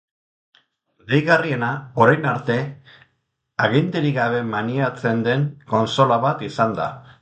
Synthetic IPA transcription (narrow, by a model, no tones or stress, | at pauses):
d̪ejɣarie̞nao̞ɾajnaɾt̪e̞ | aɣind̪eɾiɣaβe̞maniat͡se̞nd̪e̞ŋko̞nso̞laβat̪isand̪a̰